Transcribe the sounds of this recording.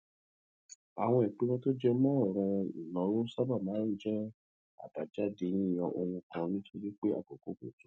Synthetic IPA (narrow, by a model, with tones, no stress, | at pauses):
a̰˨w̃ɔ̃˧ɛ˨k͡pe˨˦wɔ̃˦to˦d͡ʒɛ˦mɔ̃˦ɔ˦˨ɾ̃ɔ̃˧ḭ˨nɔ̃˨˦ɾo˦sa˦ba˦˨mãː˨˦n̩˦d͡ʒɛ˦ | a̰˦˨ba˨d͡ʒa˦de˧nĩ˦˨j̃ɔ̃˧ʔo˧wũ˧kã˧nĩ˦to˧ɾe˦k͡pe˦a̰˦˨k͡po˨ko˨˦ko̰˨tou˨˦